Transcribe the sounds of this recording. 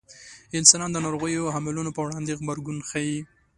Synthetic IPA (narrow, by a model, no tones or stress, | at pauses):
ɪnsɑnɑnd̪ənaɾoɣəjoɦamalunopəwɽɑnd̪eɣbaɾɡunxaji